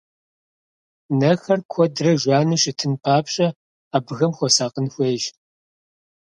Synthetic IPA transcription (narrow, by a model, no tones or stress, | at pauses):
nɐxɐrkʷʰɔdrɐʒʷaːnɨʃʼɪtʰɨnpʰaːpɕʼɐ | aːbɨɣɐmxʷɔsaːqʼənxʷeːʒ